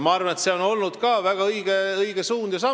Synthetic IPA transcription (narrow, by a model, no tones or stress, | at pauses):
mɑɑrvɑnet̪seo̞no̞lnud̪̥kɑːvæɡ̥ɑɤjɡ̥eɤiɡ̥esuːnd̪̥jɑs̬ɑ